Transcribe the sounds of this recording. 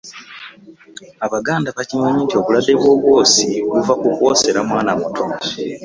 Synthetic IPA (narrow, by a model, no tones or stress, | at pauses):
aβaɡaːndaβacimaɲiːntjo̞ːβuladːe̞βwo̞ːβwo̞ːsikuvakuko̞se̞ɾamwaːnamutʰoka